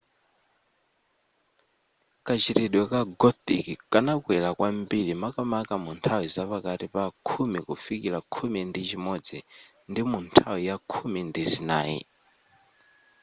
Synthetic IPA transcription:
kat͡ʃiɾiɗwɛkaɡɔt̪ḭkikanakwɛlakwambiɺimakamakamuntʰawizapakaɾipakʰumikufikiɾakʰumindit͡ʃʰimɔd͡zɛ | ndimuntʰawijakʰumindizinaːḭ

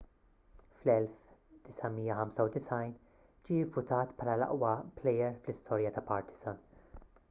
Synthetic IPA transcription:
flɛlfd̪̥ɪsɐmijːɐħɐmsɐwd̪ɪsɐjn | d͡ʒiːɪvːʊt̪ɐːt̪pʰħɐːlɐlɐ̰ʔwɐplɛjɛɾflɪst̪ʰɔːɾjɐt̪ɐpɐɾt̪ɪ̥z̥ɐn

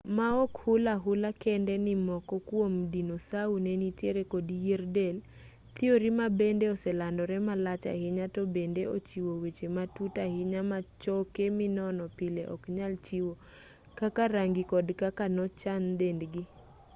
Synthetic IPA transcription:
maɔkhʊlaɦʊlakɛndɛnɪmɔkɔkwomdinosaunɛnitjeɾekodijerdel | t̪ɪoɾimabendeɔsɛlandɔɾɛmalat͡ʃa̰hɪɲatɔbendeot͡ʃiwowet͡ʃematutahɪɲamat͡ʃɔkemɪnɔnɔpɪleʔɔ̰kɲalt͡ʃiwo | kakaɾaŋɡikɔdkakanɔt͡ʃandendɡɪ

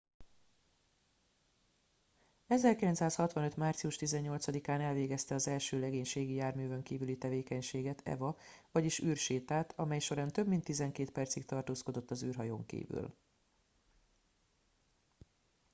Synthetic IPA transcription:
ɛzɛrkilɛnt̪saːshɒt̪ʋɒnø̞t̪maːrt̪siuʃt̪izɛɲːo̞lt̪sɒd̪ikaːnɛlveːɡɛst̪ɛɒzɛlʃøːlɛɡeːɲʃeːɡijaːrmyːvø̞ŋkiːvylit̪ɛveːkɛɲʃeːɡɛt̪ʰɛ̰vɒvɒɟiʃyːrʃeːt̪aːt̪ʰɒmɛjʃo̞ɾaːnt̪ø̞bmint̪ːizɛŋkeːt̪pɛrt̪sikt̪ɒrt̪oːsko̞d̪o̞t̪ːɒzyːrɦɒjoːŋkḭːvy̰l

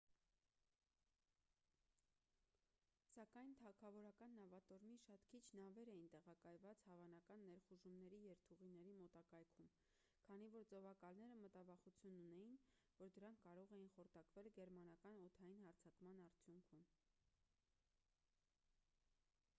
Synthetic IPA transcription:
sɑkɑjnt̪ʰɑkʰɑvɔɾɑkɑnːɑvɑt̪ɔɾmiʃɑt̪kʰit͡ʃʰnɑvɛɾɛjint̪ɛʁɑkɑjvɑt͡shɑvɑnɑkɑnːɛɾχuʒumnɛɾijɛɾt̪ʰuʁinɛɾimɔt̪ɑkɑjkʰum | kʰɑn̪ivɔɾd͡zɔvɑkɑlnɛɾəmət̪ɑvɑχut͡sʰjununɛjin | vɔɾd̪əɾɑŋkʰːɑɾɔʁɛjinχɔɾt̪ʰɑkvɛlɡɛɾmɑnɑkɑnɔt̪ʰɑjinhɑɾt͡sʰɑkmɑnɑɾt͡sʰjuŋkʰum

